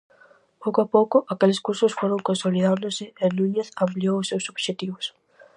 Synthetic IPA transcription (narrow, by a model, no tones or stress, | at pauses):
powkoapowkʊʔakelɪskuɾsʊsfoɾõŋkõnsoliðãnd̪ʊsɪenũɲeθãmpliowʊsːewsoβʃet̪iβʊs